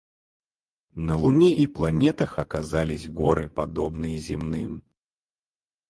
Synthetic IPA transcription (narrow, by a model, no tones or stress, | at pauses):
nɐlˠunʲiiplˠanʲɛt̪ɐxɐkazalʲizʲɣɔɾɨpad̪ɔbnɨjɐzʲimnɨm